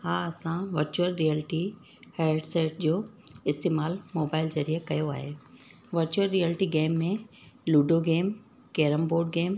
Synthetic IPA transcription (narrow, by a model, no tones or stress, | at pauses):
haːɐsãʋɐɾt͡ɕuəɾːijəlɪʈi | heːɖseːʈ̚d͡ʑoː | ɪst̪eːmaːlmoːbaːɪlzɐɾiːəkɐjoaːɦeː | ʋɐɾt͡ɕuəɾːiəlɪʈiɡeːmːẽ | luːɖoɡeːm | keːɾəmboːɾɖɡeːm